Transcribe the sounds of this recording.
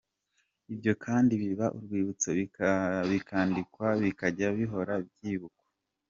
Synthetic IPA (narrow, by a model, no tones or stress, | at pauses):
ibɟo̞kʰaːndiβiβaʔuɾɡwiːβut͡seβiβikʰaːndikwaβikaɟaβiɦo̞ɾab̚jiːβukwḁ